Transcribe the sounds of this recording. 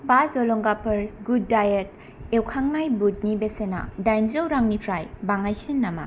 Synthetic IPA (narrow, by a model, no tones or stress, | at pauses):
bazɔlɔŋɡapʰɯɾɡudːajet̚ | ewkʰaŋnajbut̚nibesena̰dajnzowɾaŋnipʰɾajbaŋajsinːama̰